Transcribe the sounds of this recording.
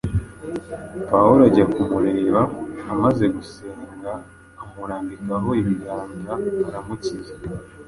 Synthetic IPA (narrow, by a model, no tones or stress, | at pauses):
pauɾaɟakumuɾe̞eːβaːmaze̞ɡuseːŋɡaː | muɾaːndikaɦo̞iβiɡaːŋzaβaɾamucize